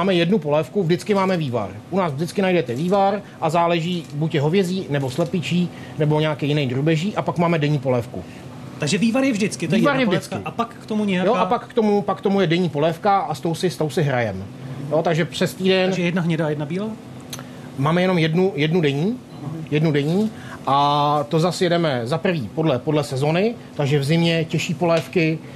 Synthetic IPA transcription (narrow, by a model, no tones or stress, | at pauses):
maːmɛjɛdnupo̞lɛːfkuvdɪt͡skɪmaːmɛviːva̰ɾʔunaːsvdɪt͡skɪnajdɛt̪ɛviːvaɾ | ʔazaːlɛʒiːbucjɛɦovjɛziːnɛbo̞slɛpɪt͡ʃiː | nɛbo̞ɲɛakɛjɪnɛjd̪ɾubɛʒiːʔapakmaːmɛdɛɲiːpo̞lɛːfkṵ | t̪aɡʒɛviːvaɾjɛvʒdɪt͡skɪtviːvaɾjɛvdɪt͡skɪpakːt̪omuɲɛjajoʔapakːt̪o̞mupakːt̪omujɛdɛɲiːpo̞lɛːfkaʔast̪o̞wsɪst̪o̞wsɪɦɾajɛmjo̞t̪aɡʒɛpr̝̥ɛst̪iːdɛnɛjɛdnaɦɲɛdajɛdnabiːlaː | maːmɛjɛno̞mjɛdnujɛdnudɛɲiː | jɛdnudɛɲiː | ʔat̪o̞zasjɛdɛmɛzapr̩viːpo̞dlɛpo̞dlɛsɛzo̞nɪ | t̪aɡʒɛvzɪmɲɛcɛʃiːpo̞lɛːfkɪ